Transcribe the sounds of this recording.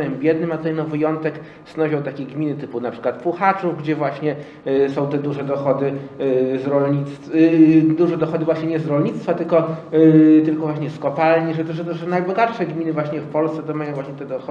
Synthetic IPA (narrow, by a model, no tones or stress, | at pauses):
ɛmbʲjɛd̪nɘmat̪zɛjnɔ̃vɘjɔnt̪ɛk | snɔʑɔ̃w̃t̪akʲeɡmʲinɘt̪ɘpunapʂɘ̥kwat̪puxat͡ʂufɡd͡ʑɛvwaɕɲɛ | sɔ̃w̃t̪ɛd̪uʐɛd̪ɔxɔd̪ɘzɾɔlɲit̪st̪ | d̪uʐɛd̪ɔxɔd̪ɘvwaɕɲɛɲɛzɾɔlɲit̪st̪fat̪ɘlkɔ | t̪ɘlkɔvwaɕɲɛskɔpalɲiʐɛt̪ɔʐɛt̪ɔʐɛnajbɔɡat̪ʂɛɡmʲinɘvwaɕɲɛfpɔlst̪sɛt̪ɔmajɔ̃vwaɕɲɛt̪ɛd̪ɔxɔ